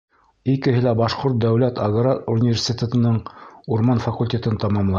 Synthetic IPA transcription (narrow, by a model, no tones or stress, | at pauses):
ikɘ̆ɦɘ̆læbɑʃqoɾt̪̚d̪æwlæt̪ɑɡɾɑunʲivʲeɾsʲet̪ʲet̪ɤ̆nɤɴuɾmɑnfɑkulʲtʲet̪ɘnt̪ɑmɑmlˠɑ